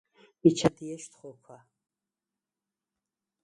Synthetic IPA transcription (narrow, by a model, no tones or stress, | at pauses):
mit͡ʃʰad̪iɛʃt̪χɔkʷʰa